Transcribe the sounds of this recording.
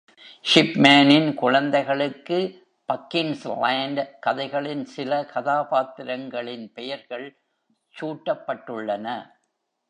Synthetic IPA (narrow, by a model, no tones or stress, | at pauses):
ʂɪpmaːnɪnkʊɻɐnd̪ɐɪɣɐɭɯkːɯ | pɐkːɪŋslaːɳɖkɐðɐɪɣɐɭɪnsɪlɐkʰɐðaːpaːt̪ːɪɾɐŋɡɐɭɪnpɛjɐɾɣɐɭ | t͡ʃuːʈːɐpːɐʈːɯɭːɐnɐ